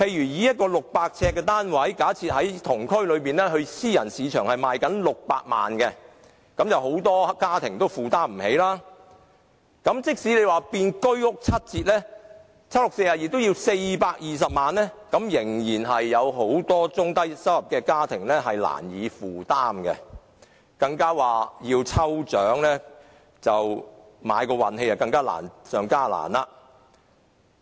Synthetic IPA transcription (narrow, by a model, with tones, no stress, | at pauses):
pʰe˧jɥyː˨˩jiː˨˧jɐ˥t̚kɔː˧lʊ˨k̚paː˧k̚t͡sʰɛː˧kːɛː˧t̪aː˥nwɐ˨˥jkaː˨˥t͡sʰiː˧t̚hɐ˨˥jt̪ʰʊ˨˩ŋkʰɵ˥ɥlɵ˨˧ɥpiː˨nlɛ˥ɦɵ˧ɥsiː˥jɐ˨˩nsiː˨˧t͡ʃʰœː˨˩ŋhɐ˨jmaː˨˧jkɐ˨˥nlʊ˨k̚pa̰ː˧k̚ma̰ː˨nkɛ˧ | kɐ˨˥mjɐ˨wɦo˨˥wt̪ɔː˥kaː˥t̪ʰɪ˨˩ŋt̪o˥wfuː˨˩t̪aː˥m̩˨˩he˨˥jlaː˥ | kɐ˨˥mt͡sɪ˥k̚siː˨˥le˨˧jwaː˨piː˧nkɵ˥ɥʊ˥k̚t͡sʰɐ˥t̚t͡siː˧t̚lɛː˥ | t͡sʰɐ˥t̚lʊ˨k̚se˧jaː˨˩jiː˨˩t̪ːwjiː˧wse˧jpaː˧k̚jiː˨s̬ɐ˨p̚maː˨˧nlɛː˥kɐ˨˥mjɪ˨˩ŋjiː˨˩nɦɐ˨jːɐ˨˧wɦo˨˥wt̪ɔː˥t͡sʊ˥ŋt̪ɐ˥jsɐ˥wjɐ˨p̚kɛː˧kaː˥t̪ʰɪ˨˩ŋlɛ˥ɦɐ˨jla̰ː˨˩njiː˨˧fuː˨˩t̪aː˥mkɛ˧ | kɐ˧ŋkaː˥waː˨jiː˧wt͡sʰɐ˥wt͡ʃœː˨˥ŋlɛː˥ | t͡sɐ˨w | maː˨˧jkɔː˧wɐ˨nɦe˧jaː˨˩kɐ˧ŋkaː˥la̰ː˨˩nsœː˨˧ŋkaː˥la̰ː˨˩nlaː˧